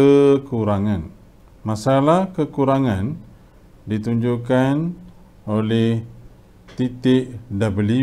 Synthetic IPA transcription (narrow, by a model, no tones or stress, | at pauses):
əkuɾaŋan | masalahkəkuɾaŋãn | dit̪uɲd͡ʒukan | olɛh | t̪it̪ɪʔdabəli